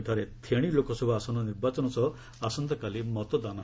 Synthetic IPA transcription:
d̪ʱaɾet̪ʰeɽ̃ilokɔsɔbʱɔasɔnɔniɾbat͡ʃɔnɔsɔ | asɔnt̪ɔkalimɔt̪ɔd̪ana

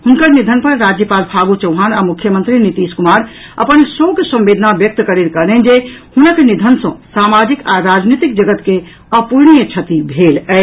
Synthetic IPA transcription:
hunkəɾnid̪ʱənpəɾːad͡ʒjəpalpʰaɡut͡ʃəʊɦanamukʰjəmənt̪ɾinit̪iskumaɾə̰pənsoɡsə̃mbed̪ʱənabjək̚t̪kəɾiɾkəɾnɛnd͡ʒehunəknid̪ʱənsə̃samad͡ʒikaɾad͡ʒnit̪ik̚d͡ʒəɡət̪ke | əpuɾnijət͡ʃʰət̪ibʱelɛɪ

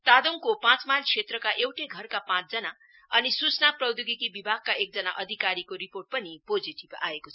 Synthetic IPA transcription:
t̪ad̪oŋkopãt͡smalkʰet̪rʌkaʔewʈeɡʱʌrkapãt͡sd͡zʌna | ʌnisusnaprʌwd̪uɡikibibʱaɡ̚kaʔek̚d͡zʌnaʔʌd̪ʱikaɾikoɾiporʈ̚pʌnipod͡ziʈiba̰ekot͡sʰʌ

